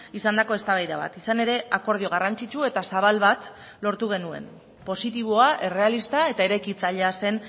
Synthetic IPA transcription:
isand̪ako̞e̞st̪aβajðaβa̰t̪isane̞ɾe̞ako̞ɾð̞io̞ɣ̞arant͡sit͡ʃue̞t̪asaβ̞alβat̪ | lo̞ɾt̪uɣ̞e̞nue̞̰n | po̞sit̪iβ̞o̞aʔe̞re̞alist̪ae̞t̪aeɾajkit͡saʎease̞n

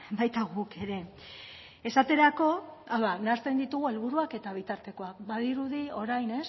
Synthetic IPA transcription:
bajt̪aɣuke̞ɾe̞ | esat̪e̞ɾako̞awðanaɾt̪e̞nd̪it̪uɣ̞ue̞lβuɾuake̞t̪aβ̞it̪aɾt̪e̞ko̞akbað̞iɾuðio̞ɾajne̞s

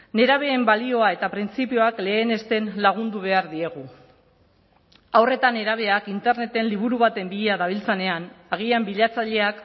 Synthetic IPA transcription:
ne̞ɾaβ̞e̞ːmbalio̞ae̞t̪apɾint͡sipio̞akle̞ːne̞st̪e̞nlaɣ̞und̪uβ̞e̞aɾðie̞ɣu | awre̞t̪ane̞ɾaβ̞e̞akint̪e̞ɾne̞t̪e̞nliβuɾuβat̪e̞mbiʎeaðaβ̞ilt͡sane̞anaɣiambiʎat͡saʎe̞ak

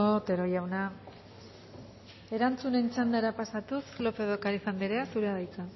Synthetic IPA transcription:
ot̪e̞ɾo̞jawna | e̞ɾant͡sune̞nt͡sand̪aeɾapasat̪uslo̞pe̞ðokaɾifand̪eɾeasuɾeaðajka

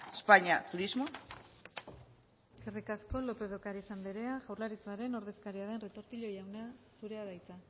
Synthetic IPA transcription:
espaɲiat̪uɾizmo | eske̞rikasko̞lo̞pe̞ð̞o̞kaɾisamb̪eɾe̞aʝawrlaɾit͡saɾe̞no̞ɾð̞e̞skaɾiað̞e̞nre̞t̪o̞ɾt̪iʎo̞jawnasuɾe̞aðajt͡sa

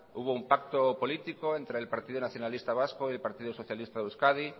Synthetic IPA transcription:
uβ̞oumpak̚t̪opo̞lit̪ikoent̪ɾeːlpaɾt̪iðonaθjo̞nalist̪aβ̞askoie̞lpaɾt̪iðosoθjalist̪auskaði

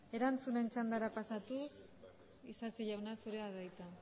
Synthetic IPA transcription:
e̞ɾant͡sune̞nt͡ʃand̪aɾapasat̪us | isasiʎawnasuɾeaðajt̪a

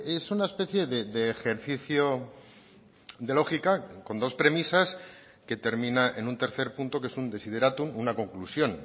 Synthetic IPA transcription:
e̞sunaespe̞θje̞ðe̞ðe̞ːxe̞ɾθiθjo | d̪e̞lo̞xikako̞nd̪o̞spɾe̞misas | ke̞t̪e̞ɾmĩnaʔenunt̪e̞ɾθe̞ɾpunt̪o̞kee̞sund̪e̞sið̞e̞ɾat̪umunako̞ŋklusjo̞n

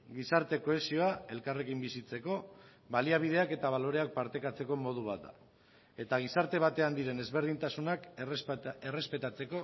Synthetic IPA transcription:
ɡisaɾt̪e̞ko̞e̞sio̞ae̞lkare̞kimbisit͡se̞ko̞ | βaliaβ̞iðe̞ake̞t̪aβ̞alo̞ɾe̞ak̚paɾt̪e̞kat͡se̞ko̞mo̞ð̞uβ̞at̪̚d̪a̰ | e̞t̪aɣ̞isaɾt̪e̞β̞at̪e̞and̪iɾe̞ne̞zβe̞ɾð̞int̪asunak | e̞re̞spe̞t̪at͡se̞ko̞

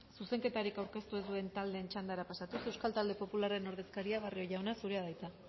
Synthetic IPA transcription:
suse̞ŋke̞t̪aɾikawɾke̞st̪ue̞zd̪ue̞nt̪ald̪e̞ːnt͡ʃand̪aɾapasat̪usewskalt̪ald̪e̞po̞pulare̞no̞ɾðe̞skaɾiaβ̞ario̞ʝawnasuɾe̞að̞ajt͡s̪a

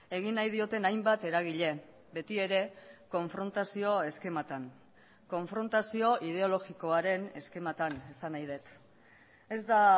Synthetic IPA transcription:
e̞ɣ̞inːajð̞io̞t̪e̞najmbat̪e̞ɾaɣ̞iʎe̞ | be̞t̪ie̞ɾe̞ko̞ɱfɾo̞nt̪asio̞e̞ske̞mat̪aŋ | ko̞ɱfɾo̞nt̪asio̞ʔið̞e̞o̞lo̞ɣiko̞aɾe̞ne̞ske̞mat̪anesanajð̞e̞t̪ | e̞zd̪a

